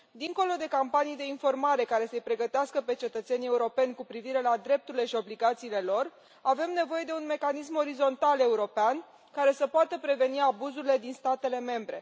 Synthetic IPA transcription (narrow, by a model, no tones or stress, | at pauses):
d̪iŋko̞lo̞d̪e̞kampanijd̪e̞info̞rmaɾe̞kaɾe̞səjpɾe̞ɡət̪easkəpe̞t͡ʃe̞t̪ət̪se̞nie̞uɾo̞pe̞nʲkupɾiviɾe̞lad̪ɾe̞p̚t̪uɾile̞ʃio̞bliɡat̪siːle̞lo̞r | ave̞mne̞vo̞je̞d̪e̞unme̞kanis̬mo̞ɾizo̞nt̪ale̞uɾo̞pean | kaɾe̞səpoat̪əpɾe̞ve̞niabuzuɾile̞d̪inst̪at̪e̞le̞me̞mbɾe̞̰